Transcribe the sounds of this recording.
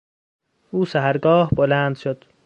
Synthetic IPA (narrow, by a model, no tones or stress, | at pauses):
ʔuːsæɦæɾɡɒːhbolænd̪̥ʃod̪̥